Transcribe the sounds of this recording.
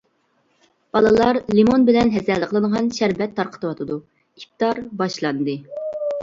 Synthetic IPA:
b̥ɑlˠɨlˠɑɾlimonbɪlɛnɦɛsɛləqʰəlˠənʁɑnʃæɾvɛt̪ʰːɑɾqʰə̥t̪ʰɨwɑt̪ʰɨd̪u | ip̚t̪ɑɾbɑʃlˠɑnd̪ɨ

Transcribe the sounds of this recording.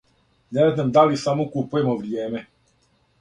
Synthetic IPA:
neznamd̪alisamokupujemoʋɾijeːme

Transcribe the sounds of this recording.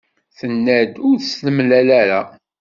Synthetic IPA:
θənːæd̪ʊɾθəsləmlælæɾa

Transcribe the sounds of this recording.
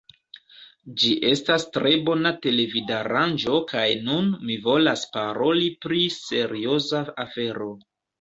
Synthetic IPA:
d͡ʒiʔe̞stastɾe̞bo̞nate̞le̞vidaɾand͡ʒo̞kajnunmivo̞laspaɾo̞lipɾise̞ɾio̞zaafe̞ɾo̞

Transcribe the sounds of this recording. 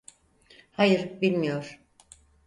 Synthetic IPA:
hajɯɾbilʲmijo̞ɾ̥

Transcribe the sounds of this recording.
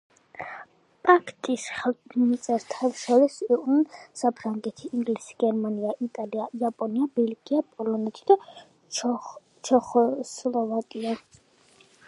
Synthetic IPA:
pʼakʰt̪ʼisχɛlmit̪sʼɛɾt̪ʰafʃɔɾisiqʼnunsapʰɾaŋɡɛt̪ʰiʔːŋɡlisi̥ɡ̥ɛɾmaniaʔit̪ʼaliaiapʼɔniabɛlɡiapʼɔlɔnɛt̪ʰid̪̥a | t͡ʃʰɔχɔslˠɔvakʼia

